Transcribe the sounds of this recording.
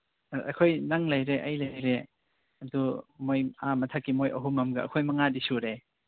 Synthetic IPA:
ɐ̰kʰojnaŋlɐjɾeʔɐjlɐjɾe | ɐdumojamɐtʰakːimojɐɦumɐmɡɐɐ̰kʰojmɐŋadisuɾe

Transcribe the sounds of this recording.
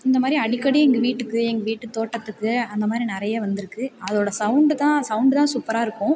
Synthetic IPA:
ɪnd̪ɐmaːd̪ɾiɐɽɪkːɐɽiɛŋɡɐʋiːʈːɯkːɯɛŋɡɐʋiːʈːɯt̪oːʈːɐt̪ːɯkːɯɐnd̪ɐmaːd̪ɾinɪɾɐjɐʋɐnd̪ɪɾɯkːɯɐðoːɽɐsɐʊɳɖɯt̪ãːsɐʊɳɖɯt̪ãːsuːpːɐɾaːɪɾɯkːʊ̃

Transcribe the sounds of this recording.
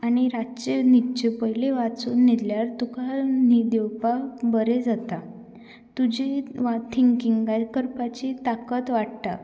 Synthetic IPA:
aɽ̃iɾat͡ɕenit͡ɕepəjleʋat͡suːnːid̪ljaɾt̪ukanid̪ewpabəɾed͡zat̪a | t̪ud͡ʑeʋat̪ʰːiŋkiŋɡajkəɾpat͡ɕit̪akət̪ʋaʈt̪a̰

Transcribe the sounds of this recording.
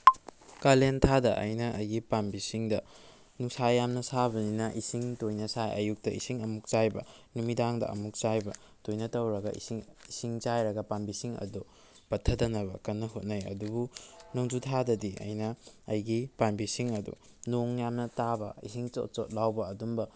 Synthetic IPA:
kalentʰadɐʔɐ̰jnɐʔɐjɡipanbisiŋdɐ | nuksajamnɐsabɐninɐʔisiŋtojnɐsajʔɐ̰juk̚tɐisiŋɐmuk̚t͡ʃajbɐ̰numidaŋdɐ̰ʔɐ̰muk̚t͡ʃajbɐ | tojnɐtɐwɾɐɡɐ̰ḭsiŋisiŋt͡ʃajɾɐɡɐpanbisiŋɐ̰du | pɐtʰɐdɐnɐβɐ̰kɐnːɐɦut̚nɐjɐ̰dubunoŋd͡ʒutʰadɐdiɐ̰jnɐːjɡipanbisiŋɐdṵ | noŋjamnɐtabɐ̰ḭsiŋt͡ʃo̰t̚t͡ʃo̰t̚lawbɐːdumbɐ

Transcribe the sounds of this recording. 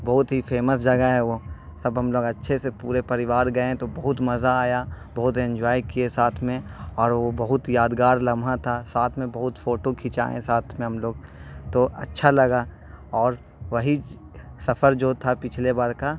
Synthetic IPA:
bɐɦʊt̪ɦifeːməsd͡ʒɐɡaɦɛʋo | sɐbɦɐmloːɡɐtːʃʰesepuːɾepɐɾɪʋaːɾɡɐẽt̪obɐɦʊt̪mɐzaaːjabɐɦʊt̪ɐ̃ɲd͡ʒaːikiesaːt̪ʰmẽɔːɾʋobɐɦʊt̪jaːd̪ɡaːɾlɐmʱãt̪ʰasaːt̪ʰmẽbɐɦʊt̪foːʈokʰɪt͡ʃa̰ːḛ̃saːt̪ʰmẽɦɐmloːɡ̚t̪oɐ̰tːʃʰalɐɡa | ɔːɾ | ʋɐɦi | sɐfəɾd͡ʒoːt̪ʰapɪt͡ʃʰlebaːɾka

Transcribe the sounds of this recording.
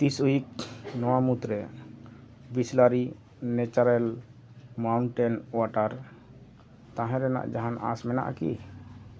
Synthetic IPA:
t̪isujik̚nɔwamut̪ɾɛ | bislaɾi | nɛt͡ʃaɾɛl | mawɳʈɛnwaʈaɾ | t̪ãɦɛ̃ɾɛna̰ʔd͡ʒaɦana̰smɛna̰ʔa̰kḭ

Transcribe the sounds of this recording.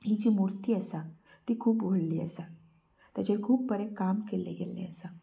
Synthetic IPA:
id͡ʒimuɾt̪iɛsa | t̪ikʰuːbɡʱoɽliɛ̰sa | t̪ɐt͡ʃekʰuːb̚ːɐɾekaːmkelḛɡelːḛ̃ɛsa

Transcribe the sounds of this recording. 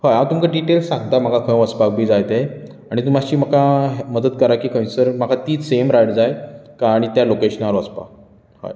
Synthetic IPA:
hajawt̪umkaɖiʈelsːãŋɡt̪am̤akakʰə̃j̃ʋəspak̚bʱiːd͡zajt̪e | aɽ̃it̪um̤at͡ɕiːm̤əkaɦməd̪ət̪kəɾakiːkʰə̃j̃səɾm̤akʰat̪iːt͡ssemɾajʈd͡zajkaɽ̃it̪jalokeɕənaɾʋəspa̰ | ha̰j

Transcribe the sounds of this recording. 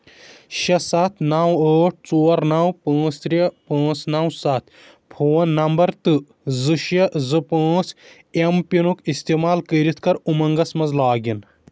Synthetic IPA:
ʃɐsɐt̪ʰnɐwəːʈ̚ʰt͡soːɾnɐwpɐ̃ːt͡st̪ɾʲɐpãːt͡snɐwsɐt̪ʰ | pʰoːnːɐmbɐɾt̪ɨ | zɨʃɐzɨpãːt͡s | empinukist̪eːmaːlkəːɾit̪ʰkɐɾumɐŋɡɐsmɐzlaːɡin

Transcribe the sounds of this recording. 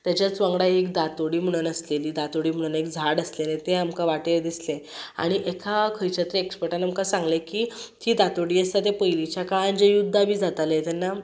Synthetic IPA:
t̪jat͡ɕjat͡sʋə̃ŋɡɽaekd̪at̪oɽiːm̤əɽ̃unəsleliːd̪at̪oɽiːm̤əɽ̃unekd͡zʱaɽəslenẽt̪eamkaʋaʈed̪islea̰ɽ̃iʔekʰakʰəjt͡ɕat̪ɾəekspəɾʈanamkasãŋɡlekiːt̪iːd̪at̪oɽiːəst̪at̪epəjlit͡ɕjakaand͡ʑejud̪ʱːabiːd͡zʱat̪alet̪janːa

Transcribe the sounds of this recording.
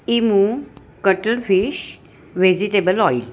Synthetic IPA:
imu | kəʈəlfiɕ | ʋed͡ʑiʈebəlɔil

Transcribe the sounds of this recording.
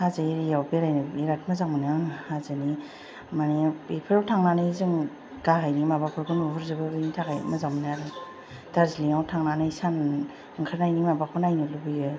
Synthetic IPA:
hazaiɾjawbeɾajnɯiɾat̚mazamnaŋhazɯni | maniipʰɯɾawtʰaŋnanɯjzɯŋ | ɡaɦajnimabapʰɯɾɡɯnuɦuɾzɯbɯbɯjnitʰakaj̰mɯzamnaɾɯ | d̥aɾziliŋawtʰaŋnanɯjsan | ɯŋkʰaɾnajnimabakʰɔnajnɯlubɯjɯ

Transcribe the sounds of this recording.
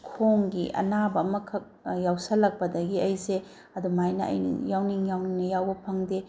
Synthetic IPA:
kʰoŋɡiʔɐ̰nabɐmɐkʰɐk̚jawsɐlːɐk̚pɐdɐɡiɐjse | ɐdumajnɐʔɐ̰jnɐ̰jawniŋjawniŋnɐjawbɐpʰɐŋde

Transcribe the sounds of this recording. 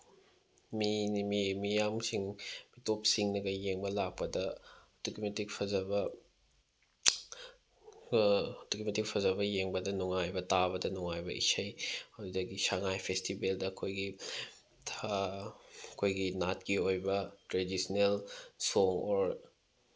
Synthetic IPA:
minimimijamsiŋmitop̚siŋnɐɡɐjeŋbɐlak̚pɐdɐ | dukimetik̚pʰɐzɐbɐ | dukmetik̚pʰɐzɐbɐjeŋbɐdɐnuŋajbɐtabɐdɐnuŋajbɐ̰ʔḭsɐjɐdudɐɡisaŋajpʰestibeldɐːkʰojɡi | tʰa | kʰojɡinat̚kiojbɐtɾedisnelsoŋɔɾ

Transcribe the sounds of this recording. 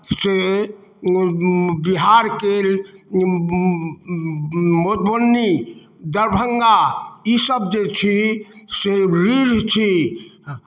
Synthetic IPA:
se | biɦaɾkel | mot̪bonːi | d̪əɾbʱəŋɡaisəbd͡ʒet͡ʃʰiseɾid͡ʒʱt͡ʃʰi

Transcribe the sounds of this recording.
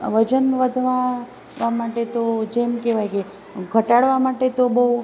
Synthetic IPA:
ʋəd͡ʒənʋəd̪ʱʋa | ʋamaʈet̪od͡ʒemkeʋajke | ɡʱəʈaɽʋamaʈet̪obəɦu

